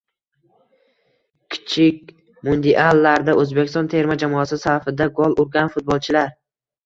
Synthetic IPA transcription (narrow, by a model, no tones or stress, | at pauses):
kʲʰɪ̥t͡ʃʰɪkʲ | mʊnd̪iʔalːaɾd̪aʔɵzbekʲɪ̥st̪ɒnt̪ʰe̞ɾmad͡ʒamɒasɪsafɪd̪aɡolˠʊɾɡʲanfʊt̪̚bɒlˠt͡ʃʰɪlaɾ